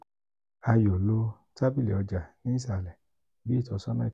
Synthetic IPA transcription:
a˧jo˨lo˧ | ta˦bi˦lɛ̰˨ɔ˧d͡ʒa˨nĩ˦sa˨lɛ˨ | bi˦˨tɔ˨˧˦sɔ˦nã˦˨

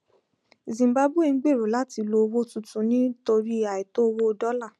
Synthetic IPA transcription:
zĩ˨mba˧˦bu˦e˦˨˧ɡ͡be˦˨ɾu˨la˦ti˧lo˧wo˦tũ˦˨tũ˨˦nĩ˦to˧ɾi˦a˨i˨to˦˧wo˦o˧dɔ˦la˦˨

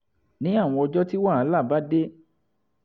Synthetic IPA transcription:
nĩ˨˦a˦˨w̃ɔ̃˧ɔ˧d͡ʒɔ˦ti˦wa˦˨a˦la˦˨ba˦de˦

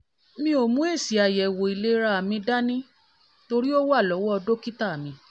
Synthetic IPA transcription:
mĩ˧˦o˨mũ˨˦e˦˨si˨a˨jɛ˨wo˨i˨le˧˦ɾa˧a˨mĩ˧da˦nĩ˦ | to˧ɾi˦o˦wa˦˨lɔ˨˦wɔ˦ɔ˧do˦ki˦ta˦˨a˨mĩ˧

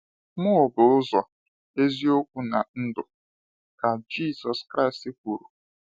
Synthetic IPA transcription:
mʊ˦˨bʊ˨˦ʊ˦zɔ˨ | e˦zi˦o˦kʷu˦na˨n̩˦dʊ˨ | ka˨d͡ʒi˦˨sɔ˨skɾa˦i˨sti˦kʷu˨ɾu˨

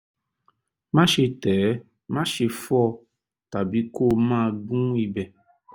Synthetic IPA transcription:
mã˦ʃe˧tɛ˨˦ | mã˦ʃe˧fɔ˦˨ | ta˨bi˨˦ko˦˨mã˦˨ɡũ˦i˧bɛ˨

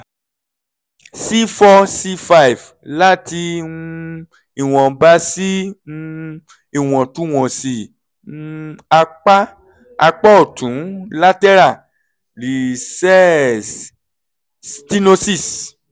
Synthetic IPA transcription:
si˦fɔ˧si˧fa˦i˨v | la˦ti˧˦ | i˨w̃ɔ̃˨ba˦sĩ˦ | i˨w̃ɔ̃˨tũ˨˦w̃ɔ̃˨si˨˦ | a˧k͡pa˦ | a˧k͡pa˦o˨tʰũ˨˦la˦tɛ˦ɾa˦˨ | li˨sɛ˦s | sti˦no˧si˦˨s

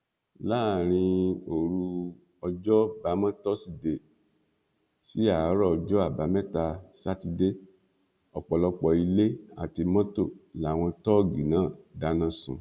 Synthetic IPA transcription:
laː˦˨ɾ̃ĩ˧o˨ɾu˧ | ɔ˧d͡ʒɔ˦ba˨˦mã˦tɔ˦si˦˨de˨ | si˨˦a˨˦ɾɔ˦ɔ˧d͡ʒɔ˦a˦˨ba˨˦mɛ̃˦ta˧sa˦ti˧de˦ | ɔ˨k͡pɔ˨lɔ˧k͡pɔ˨i˧le˦a̰˦˨ti˧mɔ̃˦to˦˨la˨˦˨w̃ɔ̃˧tɔ˦˨ɡi˨nãː˨˦˨da˨˦nã˦sũ˨

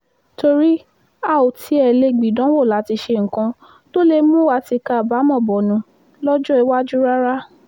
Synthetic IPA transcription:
to˧ɾi˦ | a˦˨o˨tʰi˨˧˦ɛ˨le˧˨ɡ͡bi˨dɔ̃˨˦wo˦˨la˨˦ti˧ʃe˧ŋ̩˨kã˧ | to˦le˧mũ˦wa˧ti˧ka˧˨ba˨˦mɔ̃˦˨bɔ˨nũ˨˧ | lɔ˦d͡ʒɔ˦i˧wa˦d͡ʒu˦ɾa˦ɾa˦

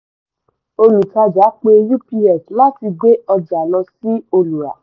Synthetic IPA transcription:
o˧lu˨ta˧d͡ʒa˨˦k͡pe˧ju˦pi˧ɛ˨sla˦ti˧ɡ͡be˦ɔ˧d͡ʒa˨lɔ̃˧si˦o˧lu˨ɾa̰˨

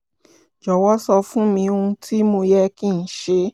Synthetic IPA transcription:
d͡ʒɔ˨wɔ˦sɔ˧fũ˦mĩ˧o˧ũ˧tʰi˦mo˧jɛ˦kĩ˦˨n̩˨˦ʃe˧

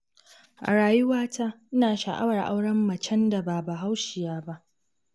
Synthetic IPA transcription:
ʔa̰˨ɽaː˨jʊ˦waː˦ta˦ʔɪ˦naː˨ʃa˨ʔa̰˦wɐ˨rʔa̰˦wɽɐ˦mːɐ˨t͡ʃɛ˦nda˨baː˨ba˨ɦa˦wʃɪ˨jaː˦ba˦ʔ

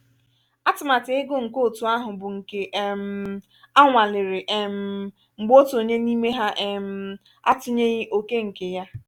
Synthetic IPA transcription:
a˦tʊ˨ma˨tɪ˨˦ɪ˦ɡo˦ŋ̩˨ko˦˨tu˨a˦ɦʊ˨bʊ˨ŋ̩˨ke˨ʔm̩˨˦ | a˦ŋʷa˨lɪ˨ɾɪ˨ʔɛ˨m̩˨ | ŋ͡m̩˨ɡ͡bo˦to˨ɲe˦ni˦me˦ɦa˦ʔɛ˨m̩˨ | a̰˦tʊ˦ɲe˦ɲɪ˦ʔo˦ke˦ŋ̩˨ke˨ja˦

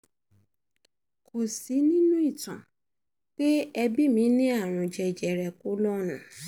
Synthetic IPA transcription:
kʰo˨si˨˦nĩ˦nũ˦i˦˨tã̰˨ | k͡pe˦ɛ˧bi˦mĩ˧˦nĩ˦a˦˨ɾ̃ũ˧d͡ʒɛ˨d͡ʒɛ˨ɾɛ˨ku˨˦lɔ˦nũ˨˦

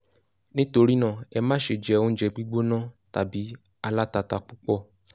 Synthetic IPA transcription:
nĩ˦to˧ɾi˦nã˦˨ɛ˧mãː˦ʃe˨d͡ʒɛ˨˧˦õ˧˦d͡ʒɛ˧ɡ͡bi˦ɡ͡bo˦nã˦ta˨bi˨˦ | a˧la˦ta˧ta˧k͡pu˦k͡pɔ˦˨

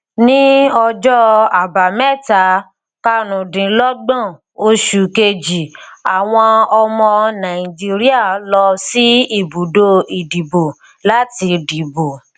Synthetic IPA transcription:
nĩ˦ɔ˧d͡ʒɔ˦a˨ba˨mɛ˦˨ta˨˦ | ka˦ɾũ˨dĩ˨˦lɔ˦ɡ͡bɔ̃˦˨ | o˧ʃu˨ke˧d͡ʒi˨a˨w̃ɔ̃˧ɔ˧mɔ̃˧nã˨i˨d͡ʒi˦ɾi˦a˦˨lɔ˧si˦i˦˨bu˨do˦i˨di˨bo˨ | la˨˦ti˧di˨bo˨

